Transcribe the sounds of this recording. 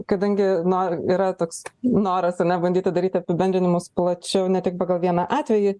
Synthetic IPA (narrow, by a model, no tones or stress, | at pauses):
kɐd̪ɐŋʲɡʲɪnoːiːɾɐt̪oːksnoːɾɐsɐɾnʲɛbɐnʲd̪ʲiːt̪ʲɪd̪ɐɾʲiːt̪ʲɪɐpʲɪbʲɛnʲd̪ʲɪnʲɪmʊsplˠɐt͡ʃʲɛʊnʲɛt̪ʲɪk̚pɑːɡɐlˠʋʲiɛnɑʔɑːt̪ʲʋʲɛjɪ